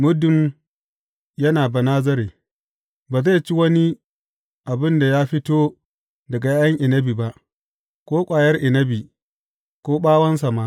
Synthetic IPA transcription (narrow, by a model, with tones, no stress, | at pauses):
mʊ˦dʊ˨m | jɐ˦naː˨bɐ˨naː˦zɐ˦ɾeː˨ | baː˨za˦˨t͡ʃi˦wɐ˦ni˦ | ʔa˨bɪ˦nda˨jaː˦ɸɪ˦toː˦ | dɐ˨ɡa˨ja˦ɐ˦ŋʔɪ˨nɐ˦bi˨ba˦ʔ | kʷoː˦kʷʼaː˨jɐ˦rʔɪ˨nɐ˦bi˨ | kʷoː˦ɓaː˦wɐ˦nsa˨ma˦